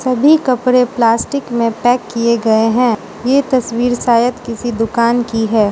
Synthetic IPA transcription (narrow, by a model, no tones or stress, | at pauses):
sɐbʱikɐpɾeplaːsʈɪkmẽpɛːkːieɡɐeɦɛ̃ː | jet̪ɐswiːɾsaːjət̪kɪsid̪ʊkaːnkiɦɛː